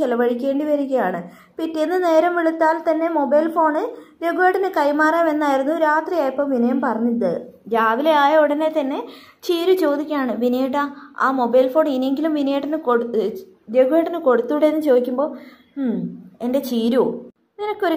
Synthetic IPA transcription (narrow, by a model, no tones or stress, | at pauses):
t͡ɕelɐʋɐɻikʲːe̞ːɳɖiʋɐɾiɣʲɐjaːɳɨ | pitːeenːɨne̞ːɾɐmʋiɭut̪ːaːlt̪ɐnːe̞mo̞bɐjlfo̞ːɳɨɾeɡuʋeːʈːɐnɨkɐjmaːraːme̞nːaːjiɾunːuɾaːt̪rijaːjipːoːmʋinɐjɐmpɐrɐɲːit̪ːɨd͡ʑaːʋileaːjɐuɽɐne̞t̪ɐnːe̞ | t͡ɕiːɾut͡ɕo̞ːd̪ikʲːaːɳɨʋinɐjeʈːaa̰ːmo̞bɐjlfo̞ːɳineŋɡilumʋinɐjeʈːɐnɨko | ɾeɡuʋeːʈːɐnɨko̞ɽut̪ːuːɽeenːɨt͡ɕoːd̪ikʲːumbo̞ː | e̞nde̞t͡ɕiːɾu | ninɐkːo̞ɾu